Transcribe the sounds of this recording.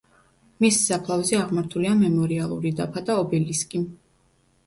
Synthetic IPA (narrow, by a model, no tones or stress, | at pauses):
missapʰlˠavzɛaʁmaɾt̪ʰuliamɛmɔɾialˠṵɾid̪apʰad̪aɔbɛliskʼi